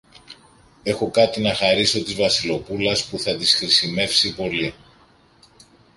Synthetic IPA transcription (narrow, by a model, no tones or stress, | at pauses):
e̞xo̞kɐt̪inɐxɐɾiso̞t̪izvɐsilo̞pulɐspuθɐt̪isxɾisime̞fsipo̞li